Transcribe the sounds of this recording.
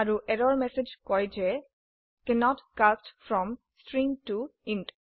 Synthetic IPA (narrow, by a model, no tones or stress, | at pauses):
aɹuʔɛɾɔɹmɛsed͡ʒkɔjd͡ʒɛ | kɛnɔtkastfɹɔ̃m | stɹĩŋtuĩnt